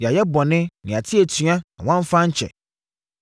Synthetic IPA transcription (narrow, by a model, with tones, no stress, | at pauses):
jɛ˨a˨jɛ˦bɔ˨nɪ̃˦nɪ̃˨a˨tʰɪ˦e˨tʰỹ˨˦ã˦nã˨w̃ã˦ɱ˦fã˦ɲ̩˦t͡ɕʰɛ̰˨